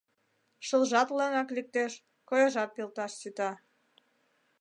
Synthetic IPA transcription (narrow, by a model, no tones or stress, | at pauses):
ʃə̆lʒɑt̪lɑŋɑklik̚t̪eʃ | kojɑʒɑt̪̚pilt̪ɑʃsyt̪ɑ